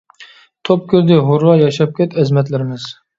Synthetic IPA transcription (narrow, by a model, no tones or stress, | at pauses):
t̪ʰop̚kʲyɾd̪ɪɦʊɾwɑjɑʃɑp̚kʲʰɛt̪ɛzmɛt̪lɪɾɪmɪz̥